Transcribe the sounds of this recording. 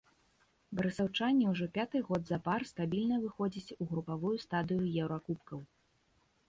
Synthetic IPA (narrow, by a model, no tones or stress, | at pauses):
bɐɾɨsawt͡ʂanʲːiwʐɔpʲat̪ɨɣɔd̪zɐparst̪abʲilʲnɐvɨxɔd͡zʲit͡sʲuɣɾupavujust̪ad̪ɨjujɛwɾakupkɐw